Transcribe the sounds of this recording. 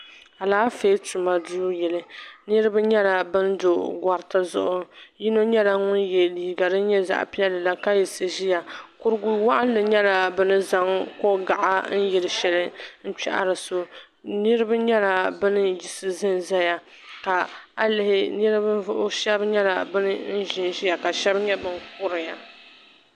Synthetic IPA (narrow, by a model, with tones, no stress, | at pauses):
a˨laː˦feː˦tu˨ma˨du˦jɛ˨lɨ˨nɨ˦ɾɨ˦ba˦ɲɛ˦la˨bɨ˦ndo˨ɡʷa˨ɾta˦zʊ̰˦ʔʊ˦ji˦no˦ɲɛ˦la˦ŋʊ˦njɛ˨li˨hi˨ɡa˨dɨ˦ɲɛ˦za̰˨ʔpi˦ɛ˦lːɨ˨la˦ka˦ji˨sɨ˨ʒi˦ja˨kʊ˦ɾɨ˦ɡu˨˦wa˦ʔa˦n˦lɨ˨ɲɛ˦la˨bɨ˦nɨ˦za˦ŋko˦ɡa˨ʔa̰˦n̩˦ji˨ɾɨ˨ʃɛ˨lɨ˦n̩˦t͡ʃɛ̰˦ʔa̰˦ɾɨ˨so˦ | nɨ˦ɾɨ˦ba˦ɲɛ˦la˨bɨ˦nɨ˦ji˨sɨ˨zɨ˦nza˦ja˨ | ka˨a˨lɪ˨hɪ˦nɨ˦ɾɨ˦ba˦ʊ˦ʔʊ˦ʃɛ˦bɲɛ˦la̰˨bɨ˦nɨ˦n̩˦ʒɪ˨nʒi˦ja˨ka˨ʃɛ˦bɲɛ˦bɨ˦nk̚ʊ˦ɾɨ˨ja˨